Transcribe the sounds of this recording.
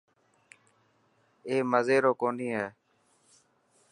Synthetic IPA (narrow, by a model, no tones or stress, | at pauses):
eːməzeːɾoːkoːniːɦɛː